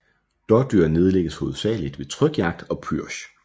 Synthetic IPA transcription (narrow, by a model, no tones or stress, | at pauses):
d̥ɒd̥yɐ̰ne̝ðˠəleɡ̥əsho̝ːð̩ˠsɛ̰ːlid̥ʋe̝t͡sʰʁœɡ̥jɑ̈ɡ̥̚d̥ɒ̽pʰyɐ̰ɕ